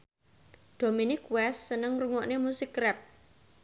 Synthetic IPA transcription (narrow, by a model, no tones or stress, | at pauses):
d̪̥o̤minɪkwɛsːənəŋruŋɔʔnemusɪkrɛp̚